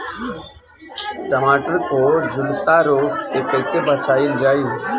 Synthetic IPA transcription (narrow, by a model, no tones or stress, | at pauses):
ʈəmaːʈəɾkoːd͡ʒʊlsaɾoːɡsekəɪsebət͡ʃaːɪld͡ʒaːjũː